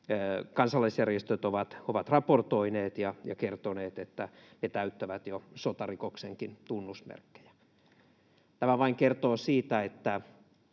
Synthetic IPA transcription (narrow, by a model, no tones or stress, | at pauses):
kɑnsɑlːɑisjærjest̪øt̪oʋɑt̪oʋɑt̪rɑport̪oineːt̪jɑjɑ̰kert̪oneːt̪et̪ːænet̪æyt̪ːæʋæt̪josot̪ɑrikokseŋkint̪unːusmḛrkːe̥jæ̥ | t̪æmæʋɑiŋkert̪oːsiːt̪æet̪ːæ